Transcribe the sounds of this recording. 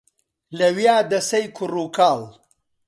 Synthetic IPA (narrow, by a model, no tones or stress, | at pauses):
lɐwjaːd̪ɐsɐjkʰuruːkaːl